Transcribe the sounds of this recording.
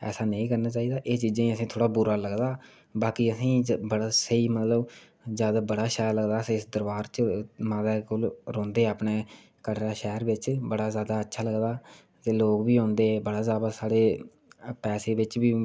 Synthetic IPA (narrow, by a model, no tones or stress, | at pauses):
ɛ̰ːsaːnə̃ĩːkəɾnaːt͡ʃaːiːd̪aːʔeːt͡ʃiːd͡ʒãːĩːəsĩːt̪ʰoːɽaːbʊɾaːləɡd̪aː | baːkiːəsĩːbəɽaːsəiːmət̪ləb | zjaːd̪aːbəɽaːʃɛːɾləɡd̪aːsiɪsd̪əɾbaːɾt͡ʃmaːd̪aːkolɾɔ̃ːnd̪eːapɳeː | kəʈɾaːʃɛːɾʋɪt͡ʃbəɽaːzjaːd̪aːətːʃʰaːləɡd̪aː | t̪eːloːkbiːõːnd̪eːbəɽaːzjaːd̪aːsaːɽeː | pɛːseːʋɪt͡ʃbiː